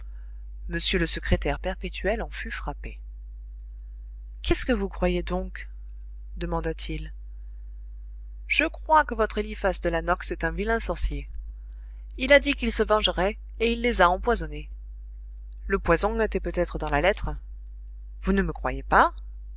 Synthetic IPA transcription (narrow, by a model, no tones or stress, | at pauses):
məsjøləsəkχet̪ɛʁpɛʁpet̪ʰyɛlɑ̃fyfχape | kʲɛskəvukχwajed̪ɔ̃k | d̪əmɑ̃d̪at̪ʰil | ʒ̥əkχwakəvɔt̪χelifasd̪əlanɔksɛt̪ɛ̃vilɛ̃sɔʁsje | ilad̪ikʲilsəvɑ̃ʒʁɛ | eilːezaɑ̃pwazɔne | ləpwazɔ̃et̪ɛpøt̪ɛt̪χəd̪ɑ̃lalɛt̪χ | vunəməkχwajepa